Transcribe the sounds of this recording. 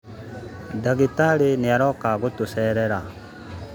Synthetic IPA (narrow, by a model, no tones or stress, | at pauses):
daɡitaɾeniaɾɔkaɡutusɛːɾɛɾa